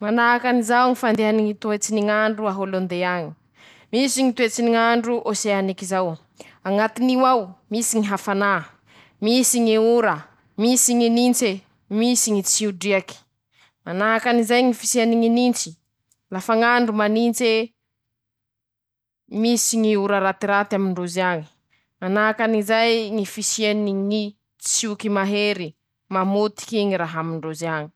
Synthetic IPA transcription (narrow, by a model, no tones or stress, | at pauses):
manaɦakanizawŋifand̪eaniŋit̪uet͡siniŋaɳɖ͡ʐuaɦolond̪eaɲi̥ | misiŋit̪uet͡siniŋaɳɖ͡ʐuʔoseanikizaw | aŋat̪iniwawmisiŋiɦafana | misiŋiuɾə | misiŋinint͡se | misiŋit͡siuɖ͡ʐiaki̥ | manaɦakanizajŋifisianiŋinint͡si̥ | lafaŋaɳɖ͡ʐumanint͡se | misiŋiuɾəɾat̪iɾat̪amiɳɖ͡ʐozaŋi̥ | manaakanizajŋifisianiŋi | t͡sukimaɦeɾi | mamot̪i̥kiŋiɾaɦamiɳɖ͡ʐozaŋi̥